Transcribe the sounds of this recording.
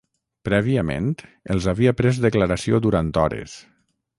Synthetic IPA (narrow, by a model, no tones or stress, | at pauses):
pɾɛβiəmḛnt̪əlˠzaβiapɾezd̪əkləɾasiod̪uɾant̪ɔɾḛs